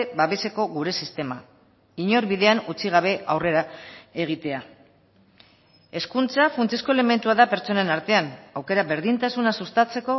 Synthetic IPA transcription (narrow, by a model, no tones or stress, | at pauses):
baβe̞se̞ko̞ɣuɾe̞sist̪e̞ma̰ | iɲo̞ɾβiðe̞anut͡siɣ̞aβ̞e̞awre̞ɾae̞ɣ̞it̪e̞a | e̞skunt͡safunt͡sesko̞ele̞me̞nt̪uaðape̞ɾt͡so̞ne̞naɾt̪e̞anawke̞ɾaβe̞ɾðint̪asunasust̪at͡se̞ko̞